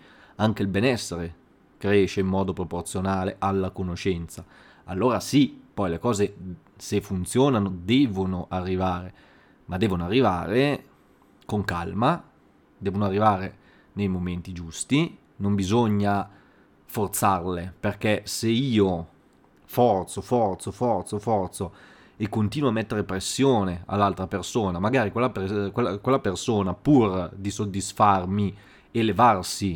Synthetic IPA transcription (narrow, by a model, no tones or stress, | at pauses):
aŋk̟eilbenɛsːeɾe | kɾɛːʃeimːɔːd̪opɾoport̪sjonaːleʔalːakonoʃɛnt̪sa | a̰lːoːɾasipɔjlekɔːze | sefːunt̪sjɔːnanod̪ɛːvonoʔarːivaːɾe | mad̪ːɛːvonoarːivaːɾe | koŋkalma | d̪ɛːvonoarːivaːɾe | nejmoment̪id͡ʒust̪i | nombizoɲːa | fort̪sarleperk̟ɛseiːo | fɔrt̪sofɔrt̪sofɔrt̪sofɔrt̪so | ekːont̪iːnwoamːɛt̪ːeɾepɾesːjoːnea̰lːalt̪ɾapersoːnamaɡaːɾikwelːapkwelːakwelːapersoːnapurd̪isod̪ːisfarmi | elevarsi